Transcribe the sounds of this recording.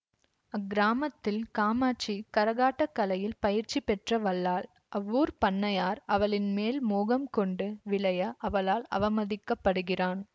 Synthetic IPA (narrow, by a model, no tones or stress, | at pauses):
ɐɡɪɾaːmɐt̪ːɪlkaːmaːt͡ʃːikɐɾɐɣaːʈːɐkːɐlɐjɪlpɐjɪɾt͡ʃːipɛʈrɐʋɐɭːaːl | ʔɐʋːuːɾpɐnːɐjaːɾɐʋɐɭɪnmeːlmoːɣɐmkɔɳɖɯʋɪɭɐjɐʔɐʋɐlaːlɐ̰ʋɐmɐðɪkːɐpːɐɽɯɣɪraːn